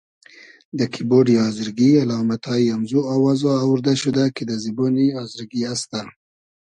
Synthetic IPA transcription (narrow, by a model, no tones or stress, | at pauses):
d̪əkʰiboɖiɑzɪɾɡialɑmat̪ʰɑjamzuawɑzoawɾd̪aʃud̪aked̪əziboniɑzɪɾɡiast̪a